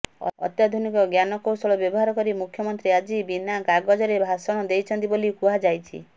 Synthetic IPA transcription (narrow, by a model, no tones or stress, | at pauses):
ɔ̰ɔ̰t̪jad̪ʱunikɔɡjanɔkowsɔɭɔbjɔbɔɦaɾɔkɔɾimukʰjɔmɔnt̪ɾiad͡ʒibinaɡaɡɔd͡ʒɔɾebʱasɔɽ̃ɔd̪ejt͡ʃʰɔnt̪ibolikuad͡ʒajt͡ʃʰḭ